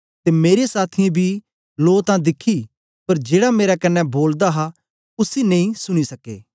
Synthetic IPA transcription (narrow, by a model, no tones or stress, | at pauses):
t̪emeːɾesaːt̪ʰɪãbʱi | loːt̪ãd̪ɪkʰi | pɐɾd͡ʒeːɽameːɾakɐnːɛboːld̪aɦa | ʊsinɐ̃ĩsʊɽ̃isɐkḛː